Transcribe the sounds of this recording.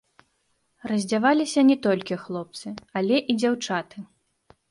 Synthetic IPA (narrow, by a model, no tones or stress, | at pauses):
rɐzʲd͡zʲavalʲisʲɐnʲɛt̪ɔlʲkʲixlˠɔp̚t̪sɨalʲɛʔid͡zʲawt͡ʂat̪ɨ